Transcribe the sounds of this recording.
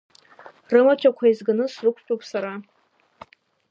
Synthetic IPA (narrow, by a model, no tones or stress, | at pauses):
rɨmat͡ʃʷʰʼakʷʰaizɡanɨsrɨkʷʰt͡ʃʼupʰʼsaɾa